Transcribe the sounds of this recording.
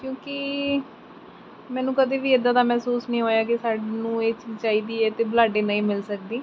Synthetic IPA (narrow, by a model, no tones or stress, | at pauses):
kjõːkɪ | mɛ̃ːnũːkəd̪eːʋiːɪd̪ãːd̪aːmɛːsuːsnĩːɦoːjaːkɪsaːɖnũːeːt͡ʃiːzt͡ʃaːiːd̪iːɛːt̪eːblaːɖeːnəĩːmɪlsək̚d̪iː